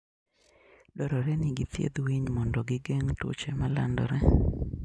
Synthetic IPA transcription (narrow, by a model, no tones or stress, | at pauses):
dɔɾɔɾɛnɪɡɪt̪jḛd̪wiɲmɔndɔɡɪɡeŋto̰t͡ʃɛmala̰ndɔ̰ɾɛ